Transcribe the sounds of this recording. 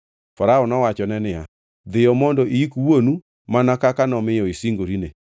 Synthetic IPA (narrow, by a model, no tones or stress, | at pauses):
faɾaɔnɔwat͡ʃɔnɛnɪa | ðɪɔmɔndɔʔiikuwwonu | manakakanɔmejɔesiŋɡoɾine